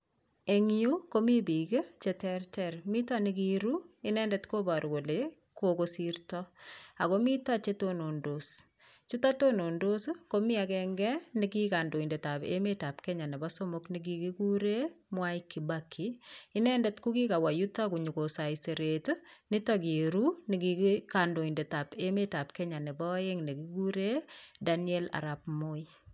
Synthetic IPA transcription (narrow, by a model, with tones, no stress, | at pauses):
e˨ŋu˦ko˦mi˦bi˨ke˦t͡ʃetɛɾtɛɾmi˦tanikiɾui˦nɛːndɛtko˦baɾko˨le | kokosiɾtɔa˨komi˦tat͡ʃe˦tono˨ndos | t͡ʃu˦ta˦tono˨ndo˦skomi˦akɛŋɡɛ˦ni˦kika˨ndo˨i˨nde˨ta˨bḛ˦me˦ta˨pkɛ˦ɲa˨nɛ˨ba˦so˦mo˦kniɡ̬ikiku˦ɾe˦mwa˦ikːibakʰːiː˦nɛndɛtku˦ki˦ka˨wa˨jutːa˦ku˨ɲu˨ko˨sa˨ise˨ɾetni˦tɔki˨ɾuni˨ɡikando˨inde˨ta˨pe˦me˦ta˨pkɛɲa˨nɛ˨bɔ˦je˦ŋne˨kiku˦ɾedaniɛ˦la̰˨ɾa˨pmo˦i